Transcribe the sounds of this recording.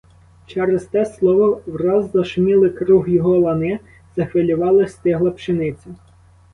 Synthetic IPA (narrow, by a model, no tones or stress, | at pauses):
t͡ʃɛɾest̪ɛslˠɔʋɔwrɑzd̪ɐʃmʲilˠɪkɾuɦjɔɦɔlˠɐnɪ | z̥ɐxʋɪlʲʊʋɑlˠɪst̪ɪɦlˠɐpʃenɪt͡sʲɐ